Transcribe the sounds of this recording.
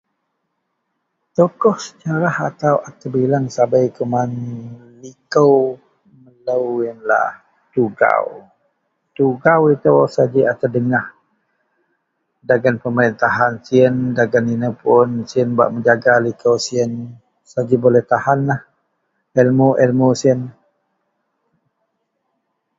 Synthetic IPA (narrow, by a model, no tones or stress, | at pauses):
t̪okɔhsə̥d͡ʒaɾahat̪awʔat̪əbilaŋsabajkəman | likəw | mələwjənla̰h | t̪uɡa̰w | t̪uɡawit̪əwsad͡ʒiat̪ədəŋah | daɡanpəməɾint̪aɦansiəndaɡaninəpʊnsiənba̰ʔməɲd͡ʒaɡalikəwsiən | sad͡ʒibolɛht̪ahanlah | ɛlmoʔɛlmosiən